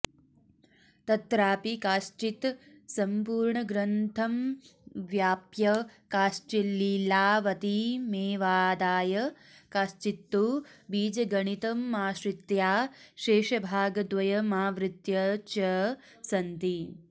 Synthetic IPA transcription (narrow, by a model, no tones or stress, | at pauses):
t̪ɐt̪ɾaːpikaːʃt͡ʃit̪ | sɐmpuːɾɳɐɡɾɐnt̪ʰɐmʋjaːpjɐkaːʃt͡ʃilːilaːʋɐt̪imeːʋaːd̪aːjɐ | kaːʃt͡ʃit̪ːubiːd͡ʒɐɡɐɳit̪ɐmːaːʃɾɪt̪jaːʃeːʃɐbʱaːɡɐd̪ʋɐjɐmaːʋɾɪt̪jɐt͡ʃɐ | sɐnt̪i